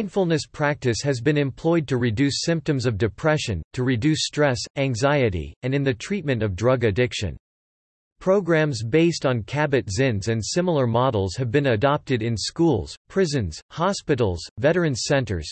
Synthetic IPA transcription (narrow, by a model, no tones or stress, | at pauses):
nfl̩ˠnɨspʰɹ̥æk̚tɨshɨzbɨ̃nɨ̃mpʰl̥ɔɪd̚tʰɨɹidʉsɪ̃mp̚tɨ̃mzʌvdɨpʰɹ̥ɛʃɨ̃ntʰɨɹɨdʉstɹ̥ɛsæ̃ŋzaɪɨɾḭɨ̃nɨ̃nðɨtʰɹ̥it̚mɨ̃ntʌvdɹʌɡɨdɪkʃɨ̰̃n | pʰɹ̥oʊɡɹæ̃mzbeɪstn̩kʰæbɨtz̥ɪ̃nzɨ̃nsɪ̃ml̩ˠə˞mɑɾl̩ˠz̥ɨvbɨ̃nɨdɑp̚tɨɾɨ̃nskulˠz̥pʰɹ̥ɪzɨ̃nz̥hɑspɪɾl̩ˠz̥vɛɾə˞ɨ̃nsɛ̃ntə̰˞z̥